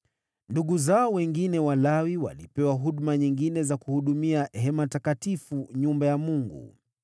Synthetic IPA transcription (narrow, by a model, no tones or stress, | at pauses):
nduɠuzaɔwɛŋɡinɛwalawiwa̰lipɛwaɦuɗmaɲiŋɡinɛzakuhuɗumiaɦɛmatakatifuɲumbajamuŋɡṵ